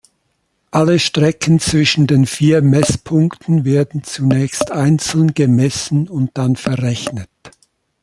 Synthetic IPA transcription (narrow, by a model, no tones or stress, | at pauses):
ʔaləʃtʁ̥ɛkn̩t͡sv̥ɪʃn̩deːnfiːɐmɛspʰʊŋktʰn̩veːɐdn̩t͡sunɛːçstaɪnt͡sl̩nɡ̥əmɛsn̩ʊnt̚d̥anfɛɐʁɛçnət